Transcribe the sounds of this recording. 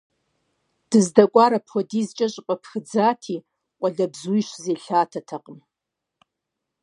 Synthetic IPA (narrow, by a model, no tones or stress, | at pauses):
d̥ɨzdakʷʼaɾapʰodizt͡ʃʼaɕʷʼpʼapʰxɨd͡zatʰi | qʷʼaɮabzujʃʷzeɬaːtʰatʰaqʼəm